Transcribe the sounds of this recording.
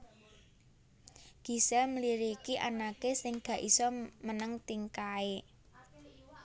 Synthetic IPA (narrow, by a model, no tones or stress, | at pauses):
ɡ̥i̤saməliɾikiʔanakesɪŋɡ̥a̤ʔisɔmənəŋt̪iŋkae